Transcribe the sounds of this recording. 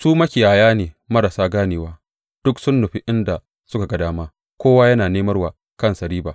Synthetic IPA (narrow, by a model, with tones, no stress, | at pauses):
suː˦mɐ˦kʲɪ˨jaː˨jaː˦neː˨ | mɐ˦ɽa˨saː˦ɡaː˦neː˨waː˦ | d̥ʊ˦ksʊ˦nːʊ˨ɸi˦ʔɪ˦nda˨ | sʊ˦ka˨ɡɐ˨daː˦maː˦ | kʷoː˦waː˦jɐ˦naː˨neː˦mɐ˦rwaː˨ | kɐ˦nsɐ˨ɾiː˦baː˨